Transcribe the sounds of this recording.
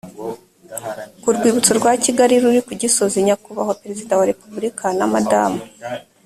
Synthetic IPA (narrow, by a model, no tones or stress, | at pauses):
kuɾɡwiːβut͡suɾɡwaciɡaɾiɾuɾikuɟiso̞ziɲakuβaho̞peɾe̞zidawaɾe̞pubuɾikanamada̰mu